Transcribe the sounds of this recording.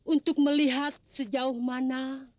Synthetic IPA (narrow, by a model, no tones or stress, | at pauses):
unt̪ʊk̚məliɦat̪̚səd͡ʒaʊhmana